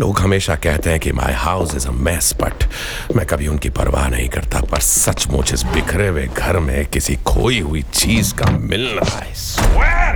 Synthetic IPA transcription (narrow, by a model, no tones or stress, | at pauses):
loːɡɦɐmeːʃakɛɦt̪eɦɛ̃kima̰ːɪhaʊsɪzəmɛːspɐ̰ʈ | mɛ̃kɐbʱiʊnkipɐ̰ɾʋa̰ːɦnɐɦĩkɐɾt̪a̰pɐɾsɐt͡ʃmʊt͡ʃʰɪsbɪkʰɾeʋeɡʱɐɾmẽkɪsikʰoːiɦʊit͡ʃiːzka̰mɪlːa̰ːɪs